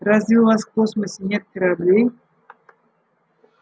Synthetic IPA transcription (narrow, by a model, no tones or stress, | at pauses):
razʲvʲɪuvasfkosməsʲɪnʲet̪̚kəɾablʲej